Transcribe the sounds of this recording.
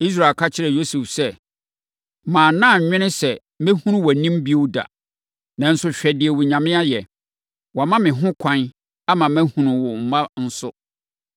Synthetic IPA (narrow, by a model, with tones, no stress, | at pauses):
i˦s̬ɾa˨kʰa˦t͡ɕʰɪ˦ɾɛ˨jo˦sɛ˨fsɛ˦˨ | mãː˨nã˦˨ɲ˨ɲᶣɪ̃˦nɪ̃˦sɛ˨ | mɪ̃˦hũ˦nʊ̃˦wɔ˨nĩ˦m˦bi˦o˦da̰˨ | nã˨n̩˦sʊ˦ɕᶣɛ˨dɪ˨ɛ˨wʊ˨ɲã˨mɪ̃˦a˦jɛ˨ | wɔ˨mã˦mɪ̃˨ɦʊ̃˦kʷʰã˦n | a˦mã˨mæ̃˦hũ˨nʊ̃˨wʊ˨m̩˨mã˦n̩˦sʊ˦